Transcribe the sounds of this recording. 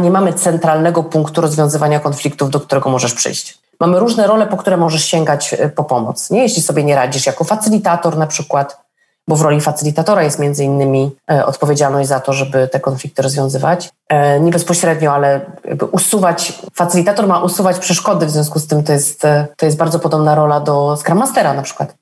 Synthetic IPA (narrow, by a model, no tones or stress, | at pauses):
ɲɛmamɘt̪sɛnt̪ɾalnɛɡɔpuŋkt̪uɾɔzvʲjɔ̃zɘvaɲakɔnflʲik̚t̪uvd̪ɔk̚t̪uɾɛɡɔmɔʐɛʂpʂɘ̰jɕt͡ɕ | mamɘɾuʐnɛɾɔlɛpɔkt̪uɾɛmɔʐɛʂɕɛŋɡat͡ɕpɔpɔmɔ̰t̪sɲɛjɛɕlʲisɔbʲjeɲɛɾad͡ʑiʂjakɔfat̪sɘlʲit̪at̪ɔɾnapʂɘkwat̪ | bɔvɾɔlʲifat̪sɘlʲit̪at̪ɔɾajɛst̪mʲjɛnd̪zɘinːɘmʲiʔɔ̰t̪pɔvʲjed͡ʑalnɔɕʑd͡ʑʲzat̪ɔʐɛbɘt̪ɛkɔnflʲikt̪ɘɾɔzvʲjɔ̃w̃zɘva̰t͡ɕ | ɲɛbɛspɔɕɾɛd̪ɲɔalɛja̰ɡ̚bɘ̰ʔusuvat͡ɕfat̪sɘlʲit̪at̪ɔɾmaʔusuvat͡ɕpʂɛʂkɔd̪ɘvzʲjɔ̃s̬kust̪ɘmt̪ɔjɛst̪t̪ːɔjɛst̪baɾd̪zɔpɔd̪ɔbnaɾɔlad̪ɔskɾamast̪ɛɾanapʂɘ̥kwat̪